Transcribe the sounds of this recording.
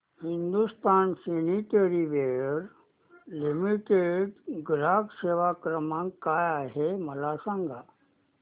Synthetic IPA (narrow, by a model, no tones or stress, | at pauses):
hind̪ust̪ansiniʈeɾiʋeɾ | limiʈeɖɡlakseʋakɾəmãŋkkːajaɦeməlasãŋɡa